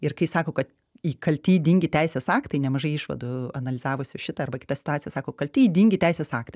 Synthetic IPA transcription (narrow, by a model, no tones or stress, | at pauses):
ɪɾkɐɪsɑːkoːkɐt̪ | iːkɐlʲt̪ʲiːdʲiŋʲɡʲɪtʲɛɪsʲeːsɑːkt̪ɐɪnʲɛmɐʒɐɪɪʃʋɐ̰d̪ʊɐnɐlʲɪzɑːʋoːsʲʊʃʲɪt̪ɐɐrbɐkʲɪt̪ɐsʲɪ̥t̪ʊɑːt̪ʲsʲɪjɛsɑːkoːkɐlʲt̪ʲiːdʲiŋʲɡʲɪt̪ʲɛɪsʲeːsɑːkt̪ɐɪ